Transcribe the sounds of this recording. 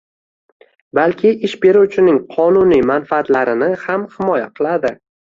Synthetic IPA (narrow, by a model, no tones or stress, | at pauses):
balkʲʰɪʔɪʃbe̞ɾuwt͡ʃʰɪnɪŋqʰɒnʊnimanfaat̪laɾɪnɪhamhɪmɒjaqʰɨlˠad̪ɪ